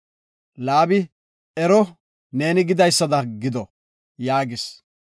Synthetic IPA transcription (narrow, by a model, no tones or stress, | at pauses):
laːbɪ | ɛɾɔ | ne̞ːnɪɡɪd̪ɐjsːɐd̪ɐɡɪd̪ɔ | jaːɡɪs